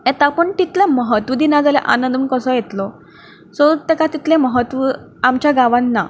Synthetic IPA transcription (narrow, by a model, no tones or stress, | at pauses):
et̪apəɳt̪it̪leməɦət̪ʋəd̪inad͡zalɛʔa̰nənd̪unkəsɔjet̪lɔ | sɔt̪ekat̪it̪lẽməɦət̪ʋəamt͡ɕjaɡaʋãnːa̰